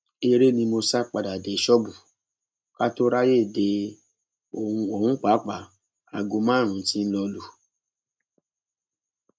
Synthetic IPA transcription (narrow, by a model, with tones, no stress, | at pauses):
e˧ɾe˦nĩ˧mo˧sa˦˨k͡pa˨da˨de˨ʃɔ˦bu˨ | ka˦to˦ɾa˦je˦˨de˧ | õ˨˧o˨hũ˦k͡pa˨˦k͡pa˨ | a̰˨ɡu˧mãː˦˨ɾ̃ũ˨˦ti˧˦n̩˦lɔ˧lu˨